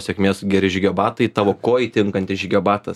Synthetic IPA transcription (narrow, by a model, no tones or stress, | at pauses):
sʲɛkmʲeːsɡʲɛɾʲɪʒʲɡʲɛbɑːt̪ɐɪt̪ɑːʋoːkoːjit̪ʲɪŋkɐnʲt̪ʲɪʒʲɡʲɛbɑːt̪ɐs